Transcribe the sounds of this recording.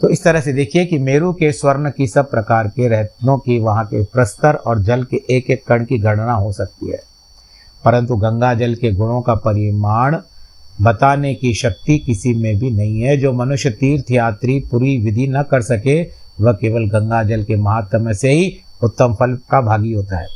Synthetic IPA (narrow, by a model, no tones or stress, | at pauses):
t̪oːɪst̪ɐɾəɦsed̪eːkʰiekimeːɾukeswɐɾnkisɐb̚pɾɐkaːɾkeɾɛɦt̪nõkiʋɐɦãkepɾɐst̪əɾɔːɾd͡ʒɐlkeʔeːkeːkːɐɳ̃kiɡʱɐɽnaɦosɐk̚t̪ḭɦɛ̰ː | pɐɾə̃nt̪uɡɐ̃ŋɡad͡ʒəlkeɡʊɽ̃õkapɐɾɪmaːɳ̃bɐt̪aːnekiʃɐk̚t̪ikɪsimẽbʱinɐɦĩɦɛd͡ʒoːmɐnʊʃjət̪iːɾt̪ʰijaːt̪ɾipuːɾiʋɪd̪ʱinɐkɐɾsɐkeʋɐɦkeːʋəlɡɐ̃ŋɡad͡ʒəlkemɐɦaːt̪ːəmẽseɦiʊt̪ːəmpʰəlkabʱaːɡiɦoːt̪aɦɛ̰ː